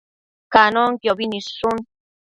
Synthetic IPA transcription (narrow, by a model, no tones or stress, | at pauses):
kanɔŋkjɔbinisun